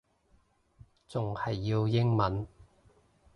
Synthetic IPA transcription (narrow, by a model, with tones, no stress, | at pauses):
t͡sʊ˨ŋhɐ˨jːi˧wjɪ˥ŋmɐ˨˥n